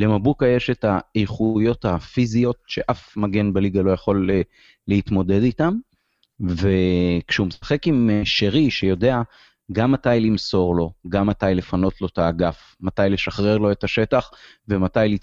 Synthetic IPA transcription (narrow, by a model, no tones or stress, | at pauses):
le̞mabukajeʃe̞taejχujo̞thafizio̞tʃe̞ʔafmaɡe̞nbaliɡalo̞jaχo̞leː | ehit̪mo̞de̞ditam | ve̞kʃeumesḁχe̞kimʃeʁiʃejo̞dea | ɡamːatajlimso̞ʁlo̞ɡamːatajle̞fano̞tlo̞t̪aːɡaf | matajle̞ʃaχʁe̞ʁlo̞e̞taʃe̞taχ | ve̞matajli